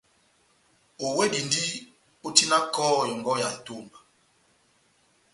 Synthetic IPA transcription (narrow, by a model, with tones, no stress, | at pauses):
o˨we˦di˨ndi˦ | o˦ti˦na˦kɔ˦˨jɔ˨ŋɡɔ˦ja˨e˨to˦˨mba˨